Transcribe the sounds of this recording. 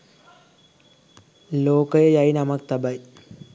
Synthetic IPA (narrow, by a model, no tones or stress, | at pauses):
loːkəjəjajinɐmɐk̚t̪ɐbaj